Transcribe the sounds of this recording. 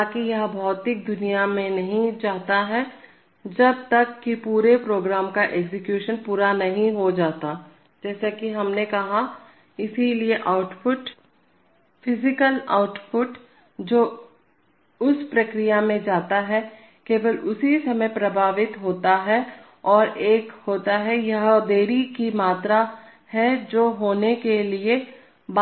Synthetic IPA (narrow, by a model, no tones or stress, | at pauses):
akijɐɦbʱɔːt̪ɪk̚d̪ʊnijamẽnɐɦĩd͡ʒaːt̪aɦɛ | d͡ʒɐb̚t̪ɐkːipuːɾepɾoːɡɾaːmkaʔeːɡsɪkjuːʃənpuːɾanɐɦĩɦod͡ʒaːt̪a | d͡ʒɛːsekiɦɐmnekɐɦa | ɪsilieʔaːʊʈpʊʈ | pʰɪzɪkəla̰ːʊʈpʰʊʈ | d͡ʒoː | ʊspɾɐkɾijamẽd͡ʒaːt̪aɦɛ | keːʋəlʊsisɐməjpɾɐbʱaːʋɪt̪ɦoːt̪aɦɛ | ɔːɾʔeːkhoːt̪aɦɛjɐɦd̪eːɾikimaːt̪ɾa | hɛd͡ʒoːɦoːnekelie | b